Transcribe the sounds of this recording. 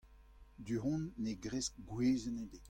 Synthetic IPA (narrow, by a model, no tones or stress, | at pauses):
d̪yʁɔ̃nːeɡʁesk̚ɡweːzəned̪e